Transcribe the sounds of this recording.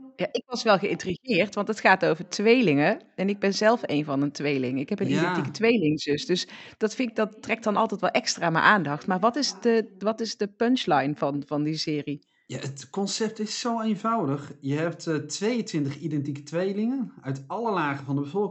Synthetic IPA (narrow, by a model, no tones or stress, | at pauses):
jaːʔɪkʋɑsʋɛlˠɣəɪntriɣɪːrtʋɑntətxaːtowvəɹtʋejlɪŋəɛnɪɡ̚bɛnzɛlˠfejnvɑnəntʋejlɪŋɪkɦɛpənidɛntikətʋejlɪŋzʏsdɵsd̥ɑtfɪkdɑtːrɛk̚tdɑnɑlˠtɛjtʋɛlˠʔɛkstraːmə̰jʔaːndɑxtmaːɹʋɑtɪsdəʋɑtɪzdəpœnt͡ʃlɑjnvɑnv̥ɑndisɪːri | ja̰ːətkɔnsɛp̚tɪsːowejnvɑwdəχjəɦɛp̚ttʋejəntʋɪntəχidɛntikə̥tʋejlɪŋənœɥtɑləlaːχəvɑndəbəvɔlˠk